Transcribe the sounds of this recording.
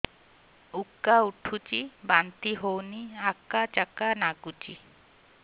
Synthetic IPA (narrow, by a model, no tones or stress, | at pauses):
ukːauʈʰut͡ʃibant̪iɦowniakːat͡ʃakanaɡut͡ʃḭ